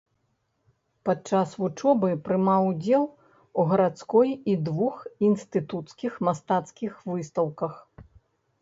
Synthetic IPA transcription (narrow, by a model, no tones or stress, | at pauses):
pat͡ʂasvut͡ʂɔbɨpɾɨmawud͡zʲɛlˠ | uɣɐɾat̪skɔjid̪vuxinst̪ɨt̪ut̪skʲixmast̪at̪skʲixvɨst̪ɐwkɐx